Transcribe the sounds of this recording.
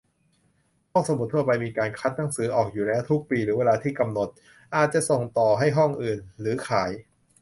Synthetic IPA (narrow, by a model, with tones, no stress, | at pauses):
hɔ˥˩ŋso˩˦m˨˩t̪ʰːu˥˩ɐpa˧jmiː˧kaː˧nkʰa˦˥t̪̚na˩˦ŋsɯː˩˦ʔɔː˨˩k̚juː˨˩lɛː˦˥wt̪ʰu˦˥k̚piː˧ɾɯː˩˦weː˧laː˧t̪ʰiː˥˩ka˧mno˨˩t̪̚ | ʔaː˨˩t̪̚t͡ɕa˨˩ʔso˨˩ŋt̪ɔː˨˩ɦa˥˩jɦɔ˥˩ŋʔɯː˨˩nɾɯː˩˦kʰaː˩˦j